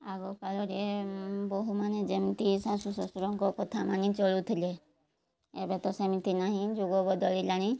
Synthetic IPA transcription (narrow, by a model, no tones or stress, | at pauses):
aɡɔpalɔɾebɔɦumaned͡ʒemt̪isasusɔsuɾɔ̃ŋkɔkɔt̪ʰamanĩt͡ʃɔlut̪ʰile | ebet̪ɔsemit̪inaɦĩd͡ʒuɡɔbɔd̪ɔlilañĩ